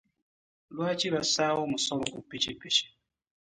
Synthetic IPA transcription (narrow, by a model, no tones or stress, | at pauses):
lwat͡ʃiβasawɔmʊsɔlɔkupit͡ʃipit͡ʃi̥